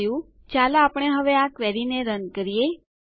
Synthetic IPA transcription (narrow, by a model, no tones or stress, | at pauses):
jũ | t͡ʃalaːpɳ̃eɦəʋeakʋɛɾineɾənkəɾije